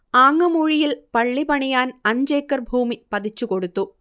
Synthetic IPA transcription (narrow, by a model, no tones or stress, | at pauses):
aːŋɐmuːɻɪjɪlpɐɭːipɐɳɪjaːnɐɲd͡ʒeːkːɐɾbʱuːmipɐðɪt͡ʃːɯkɔɽɯt̪ːu